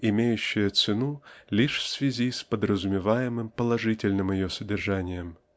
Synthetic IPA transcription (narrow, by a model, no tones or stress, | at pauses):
ɪmʲejʉɕːɪjət̪sɨnulʲiʂfsvʲɪzʲispəd̪ɾəzʊmʲɪvajɪmɨmpəlˠɐʐɨtʲɪlʲnɨmjɪjosədʲɪrʐanʲɪjəm